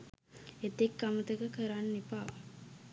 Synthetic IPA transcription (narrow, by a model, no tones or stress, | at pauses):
et̪ekːamət̪əkəkəɾanːipa